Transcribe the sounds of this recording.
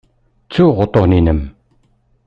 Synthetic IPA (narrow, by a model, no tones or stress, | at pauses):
t͡sʰuʁot̪oχninəm